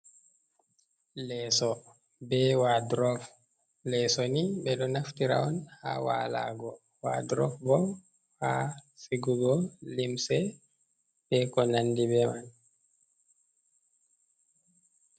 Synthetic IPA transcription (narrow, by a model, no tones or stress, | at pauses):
lɛːsɔ | bɛwadɾɔf | lɛsɔnibɛɗɔnaftiɾa̰ɔnha̰wala̰ɡɔ | wa̰dɾɔfbɔw | hasiɡuɡɔlimsɛ | b̥ɛkɔnandibɛman